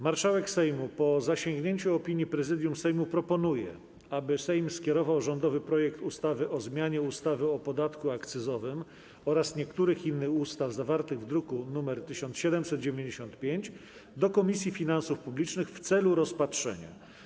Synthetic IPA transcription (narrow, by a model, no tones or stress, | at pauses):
maɾʂawɛksɛjmupɔzaɕeŋɡɲeɲt͡ɕuɔpʲiɲjipɾɛzɘd̪ʲjumsɛjmupɾɔpɔnujɛ̰ | abɘsɛjmskʲɛɾɔvawʐɔnd̪ɔvɘpɾɔjɛkt̪ust̪avɘʔɔzmʲjaɲɛust̪avɘɔpɔd̪at̪kuakt̪sɘzɔvɘm | ɔɾasɲɛkt̪uɾɘxinːɘxust̪avzavaɾt̪ɘɣvd̪ɾukunumɛɾt̪ɘɕɔnt̪sɕɛd̪ɛmsɛt̪̚d͡ʑevʲeɲd͡ʑeɕɔ̃nt̪pʲjeɲd͡ʑ | d̪ɔkɔmʲisʲjifʲinansufpublʲit͡ʂnɘxft̪sɛluɾɔspatʂɛ̰ɲa̰